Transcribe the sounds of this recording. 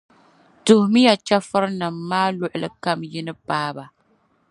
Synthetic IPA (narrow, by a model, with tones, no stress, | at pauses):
tʊ˨hʊ˨mi˦ja˨t͡ʃa˦fɨ˦ɾɨ˦nɨ˨mːaː˦lʊ˦ʔʊ˨lɨ̰˨ka˦mjɪ˦nɨ˦paː˦ba˨